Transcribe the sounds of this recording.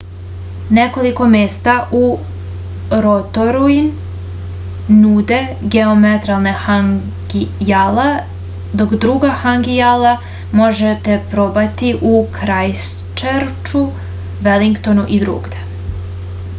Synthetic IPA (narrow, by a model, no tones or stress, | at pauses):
ne̞ko̞liko̞meːst̪aʔu | ɾot̪oɾuin | uːd̪e̞ɡeomet̪ɾalˠnexaŋ | ɡjala | d̪o̞kd̪ɾuɡaxaŋɡijala | mo̞ʒet̪e̞pɾo̞bat̪iʔukʰɾajs | t͡ʃeɾt͡ʃu | ʋeliŋkt̪o̞nuʔid̪ɾṵːɡd̪e̥